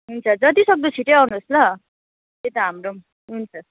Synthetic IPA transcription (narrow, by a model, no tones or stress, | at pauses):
ɦunt͡sʰʌd͡zʌt̪isʌk̚d̪ut͡sʰiʈeawnuslʌ | t̪et̪ʌɦamro | ɦunt͡sʰʌ